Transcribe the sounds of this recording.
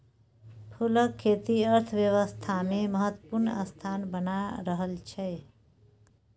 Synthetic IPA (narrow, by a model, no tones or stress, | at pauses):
pʰuləkʰːet̪iəɾt̪ʰəʋjəʋəst̪ʰameməɦət̪ːəpuɾnə̰st̪ʰanbənaɾəɦəlt͡ʃʰɛ